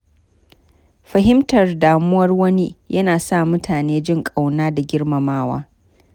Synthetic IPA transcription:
ɸɐ˨ɦɪ˦mtɐ˨rdaː˨mʊ˦wɐ˦rwɐ˦ni˦jʔɐ˦naː˨sa˦˨mʊ˦tʰaː˨neː˦d͡ʒɪ˦˨ŋkʼa˨wnaː˦da˨ɡʲɪ˦rmɐ˨maː˦wa̰ː˦

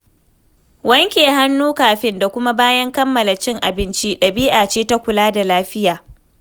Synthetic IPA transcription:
wɐ˦ŋkʲeː˨ɦa˦nːuː˦kaː˨ɸɪ˦nda˨kʷʊ˦ma˦baː˦jɐ˦ŋkɐ˦mːɐ˨la˨t͡ʃɪ˦ŋʔa˨bɪ˦nt͡ʃi˦ɗɐ˨biː˦ʔaː˨t͡ʃeː˦ta˦kʷʊ˨laː˦da˨laː˦ɸɪ˦jaː˨

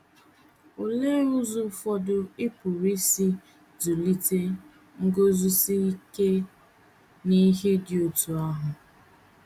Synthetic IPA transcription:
o˨le˦ɾʊ˦zʊ˦fɔ˦dʊ˨ɪ˦pʊ˨ɾi˦si˦ | du˨li˦te˦ | ŋ̩˦ɡo˦zu˦si˦i˦ke˦ | ni˦ɦe˦dɪ˨o˨tu˨a˦ɦʊ˨

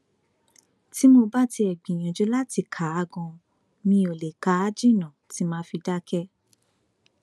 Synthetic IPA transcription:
ti˦mo˧ba˦ti˧ɛ˨ɡ͡bĩ˨j̃ã˨d͡ʒo˦la˦ti˧kʰa˨˦a˧ɡɔ̃˧ | nĩ˧˦o˨le˨ka˨˦d͡ʒi˦˨nã˨ti˨˦mãː˦fi˧da˦kɛ˦

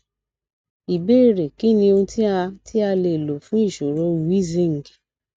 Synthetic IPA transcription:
i˨be˦˨ɾe˨ki˦nĩ˧o˧ti˦a˧ti˦a˧le˧˨lo˨fũ˦i˦˨ʃo˨ɾo˨˦˨i˦zĩ˦ŋ̩˨ɡi˨

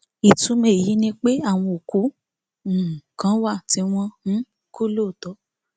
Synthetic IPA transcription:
i˨tũ˨˦mẽ˧˨ji˨˦nĩ˧k͡pe˦a˦˨w̃ɔ̃˧o˨ku˨˦˨ | kã˨˦wa˦˨ti˧˦w̃ɔ̃˧hũ˨˦ | ko˦lo˦˨tɔ˨˦

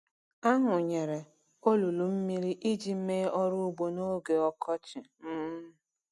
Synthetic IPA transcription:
a˦ɦʊ˨ɲe˨ɾe˨ | o˦lu˨lu˨m̩˦mi˦ɾi˦ʔi˦d͡ʒi˦m̩˦me˦ɔ˦ɾu˦ɡ͡bo˨no˦ɡe˨ɔ˦kʰɔ˦t͡ʃɪ˨m̩˦

